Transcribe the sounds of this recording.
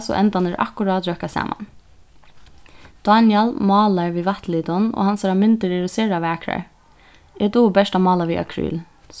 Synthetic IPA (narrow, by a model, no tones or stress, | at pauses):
sɔ̰ʔɛ̰nt̪anɪɹʔa̰hkʊɾɑːd̪ɾœkasɑ̰ːma̰n | d̪̥ɑnjɛlmɑːlaɹʋiːʋat̪liːt̪ʊno̰ːhansaɾamɪnt̪əɾɪɾʊsɛːɾaʋæːkɾa̰ɹ | ɛt̪ubɛʂtamɑːlaʋiːa̰kʰɾy̰ːl